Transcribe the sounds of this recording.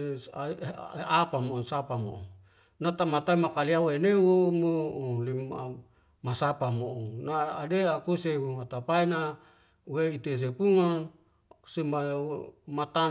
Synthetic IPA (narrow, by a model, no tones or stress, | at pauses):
apamoosapamo̰u | nat̪amat̪aimakaliawenewomolima | masapamoʔonaadeakuseumat̪apaina | weit̪es̬epuŋan | semamat̪a